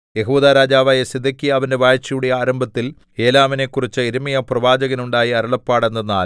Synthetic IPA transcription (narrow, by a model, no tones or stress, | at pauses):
je̞ɦuːd̪aːɾaːd͡ʑaːʋaːjɐsid̪ʱːɐkːijɐʋɐnde̞ʋaːjt͡ɕːɐjuɽijaːɾɐmbʱɐt̪ːil | eːlaːmine̞ːkːurit͡ɕːɨiɾumijɐprɐʋaːd͡ʑɐɣɐnuɳɖaːjiɐɾuɭɐpːaːɽenːɐnaːl